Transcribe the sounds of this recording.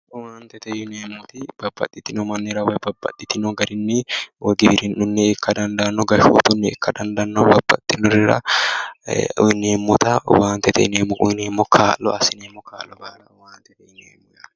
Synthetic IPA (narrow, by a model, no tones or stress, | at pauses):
ʔʊwaːnt̪ɛt̪ɐjʊneːmːʊt̪ɪb̥ɐbːɐ̰t̪ʼːɪt̪ːɪnɔmɐnːɪɾɐwɐbɐbːɐ̰t̪ʼːɪt̪ɪnɔɡɐɾɪnːɪwɐɡɪbɪɾɪnʔʊnːɛkːɐd̪ɐnd̪ɐʔnːɔɡɐʃṵːt̪ʊnːɛɛ̰kʰːɐd̪ɐnd̪ɐnːobɐbːɐt̪ʼːɪnɔɾɪɾɐ̰ | ɪneːmːʊt̪ɐwaːnt̪ɛt̪ʰɐ̰neːmːʊɪneːmːɔkʰaːlːɔ̰ʔɐsɪneːmːɔkʰa̰ːlːɔbaːlɐwaːnt̪ɛt̪ɐjɪneːmːʊj